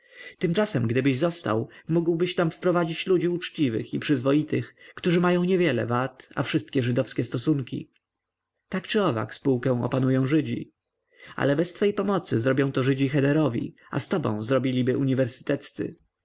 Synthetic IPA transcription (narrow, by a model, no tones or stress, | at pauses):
t̪ɘmt͡ʂasɛmɡd̪ɘbɘʑzɔst̪a̰wmuɡwbɘɕt̪amfpɾɔvad͡ʑit͡ɕlud͡ʑiut͡ʂt͡ɕivɘ̰xipʂɘzvɔjit̪ɘxkt̪uʐɘmajɔ̃w̃ɲɛvʲjɛlɛ̰vat̪a̰fʂɘst̪̚kʲɛʐɘd̪ɔfskʲɛst̪ɔsuŋkʲḭ | t̪akt͡ʂɘɔva̰kspuwkɛ̃w̃ɔ̰panujɔ̃w̃ʐɘd͡ʑḭ | a̰lɛbɛst̪fɛjpɔmɔt̪sɘzɾɔbʲjɔ̃w̃t̪ɔʐɘd͡ʑixɛd̪ɛɾɔvʲḭ | a̰st̪ɔbɔ̰̃w̃zɾɔbʲilʲibɘʔuɲivɛɾsɘ̥t̪ɛt̪st̪sɘ̰